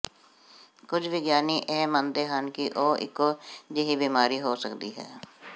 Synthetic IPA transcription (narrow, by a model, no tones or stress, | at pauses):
kʊd͡ʒʰʱʋɪɡjaːniːʔɛːmənd̪eːɦənkiʔoːʔɪ̰kod͡ʒeɦibiːmaːɾiɦoːsəkd̪iːɦɛ̰ː